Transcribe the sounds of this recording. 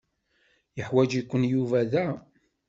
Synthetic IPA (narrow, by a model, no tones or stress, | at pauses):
jəħwæd͡ʒikʷːənjuvæðæ